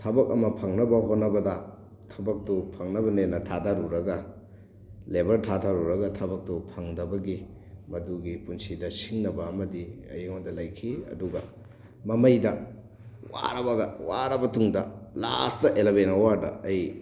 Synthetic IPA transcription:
tʰɐbɐk̚ɐmɐpʰɐŋnɐbɐɦotnɐbɐdɐ | tʰɐbɐk̚tupʰɐŋnɐbɐnenɐtʰatʰaɾuɾɐɡɐ | lebɐɾtʰatʰaɾuɾɐɡɐtʰɐbɐk̚tupʰɐŋdɐbɐɡi | mɐduɡipunsidɐsiŋnɐbɐːmɐdiɐ̰jŋondɐlɐjkʰiɐ̰duɡɐ | mɐmɐjdɐ | wa̰ɾɐbɐɡɐwaɾɐbɐtuŋdɐla̰stɐʔelebenowaɾdɐ̰ɐj

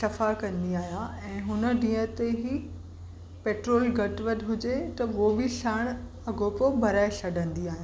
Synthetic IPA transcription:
sɐfakɐ̃nd̪iaːɦijãɛ̃ːɦʊnə̆ɖĩːə̃t̪eɦi | peːʈɾoːlɡɐʈʋɐd̪ɦʊd͡ʑet̪ɐʋobɪʃaːɽ̃ | ɐɡʱopobʱɐɾaːɪsɐɖʱə̃nd̪iaːɦijã

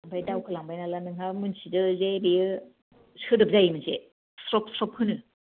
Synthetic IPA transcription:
ambʰajdawkʰɯlaŋbajnalanɯŋɦamɯnsidɯzebijɯ | sɯdɯp̚zajimɯnse | sɾɔk̚sɾɔp̚hɯnɯ

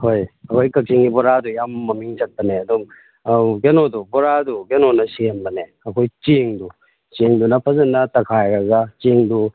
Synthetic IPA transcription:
hojɐkʰojkɐk̚t͡ʃiŋɡibɔɾadujamːɐmiŋt͡ʃɐt̚pɐneɐdum | ɡenodubɔɾaduɡenonɐsenbɐne | ɐkʰojt͡ʃeŋdu | t͡ʃeŋdunɐpʰɐzɐnːɐtɐkʰajɾɐɡɐt͡ʃeŋdu

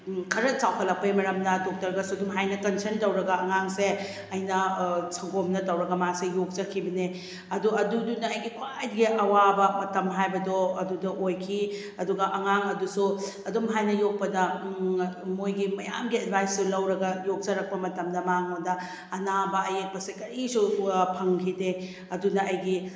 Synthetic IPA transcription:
kʰɐɾɐt͡ʃawpʰɐlːɐk̚pɐimɐɾɐmdɐdok̚tɐɾɡɐsuɐdumɦajnɐkɐnsɐɾntɐwɾɐɡɐɐŋaŋse | ɐjnɐsɐɡomnɐtɐwɾɐɡɐmasejok̚d͡ʒɐkʰibɐne | ɐduɐdudunɐːjɡikʰwajdiɡiʔɐwabɐmɐtɐmɦajbɐdɔɐdudɐʔojkʰi | ɐduɡɐʔɐŋaŋɐdusu | ɐdumɦajnɐjok̚pɐdɐ | mojɡimɐja̰mɡiɐd̚bʱajsːulɐwɾɐɡɐjok̚zɐɾɐk̚pɐmɐtɐmdɐmaŋodɐː | nabɐɐjek̚pɐsekɐɾisupʰɐŋkʰide | ɐdunɐɐjɡi

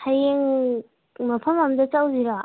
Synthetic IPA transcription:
hajeŋ | mɐpʰɐmɐmdɐt͡ʃawziɾa

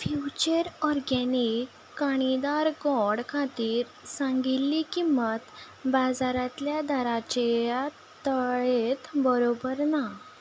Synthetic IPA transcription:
fjut͡ɕəɾɔɾɡɛnikːaɽ̃id̪aɾɡɔɽkʰat̪iːɾ | sãŋɡilːikimət̪ | bad͡zaɾat̪ljad̪aɾat͡ɕeja | t̪əɭet̪bəɾobəɾna

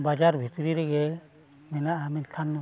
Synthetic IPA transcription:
bad͡ʒaɾbʱit̪ɾiɾɛɡɛ | mɛnaʔamɛɲt̪ʰanːɔ

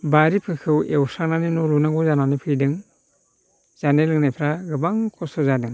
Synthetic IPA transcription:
baɾipʰɯkʰɯwewsaŋnanɯnɔɾunaɡɔzananɯpʰɯjdɯŋ | z̥anelɯŋnajpʰɾaɡɯbaŋkʰɔsɔzadɯŋ

